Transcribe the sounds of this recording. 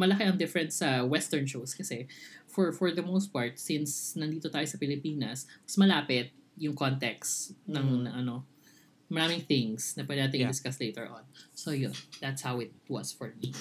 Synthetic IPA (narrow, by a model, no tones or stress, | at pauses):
mɐlɐkeʔɐŋd̪ɪfɹɛ̃nt̪sɐwɛst̪ɛɹnʃoskɐsɛfɔɹfɔɹd̪ɐmoʊst̪̚paɹt̪̚sɪnsnɐnd̪iːt̪ot̪aːjosɐpɪlɪpiːnɐsmɐsmɐlaːpɪt̪̚jʊŋkont̪ɛksnɐŋnɐŋʔɐno̞ | mɐɾaːmɪŋθɪŋsnɐpɛnaːt̪ɪŋɪd̪ɪskaslejt̪ɛ̰ɹʔõ̰nsojʊnd̪at̪shawɪt̪̚wɐ̰sfɔɹmi